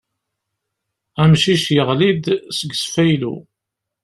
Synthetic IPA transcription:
æmʃiʃjəʁlid̪səɡːsfæjlṵ

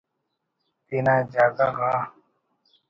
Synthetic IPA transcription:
t̪inaːd͡ʑaːɡaɣaː

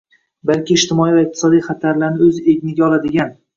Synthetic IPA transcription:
balkʲɪːʃt̪ʰɪmɒivaɪq̚t̪ɪ̥sɒd̪ijχat̪ʰaɾlaɾnɪɵzɪe̞bnɪɡʲaɒlˠad̪ɪɡʲan

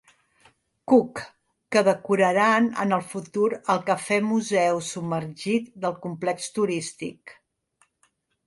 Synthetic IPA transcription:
kukː | əðəkuɾəɾanə̰nəlˠfut̪uɾəlˠkəfɛmuzɛwsubmərʒit̪̚d̪əlˠkumplɛkst̪uɾist̪ḭk

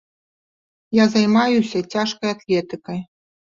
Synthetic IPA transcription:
jazajmajusʲɐt͡sʲaʂkɐjat̪lʲɛt̪ɨkɐj

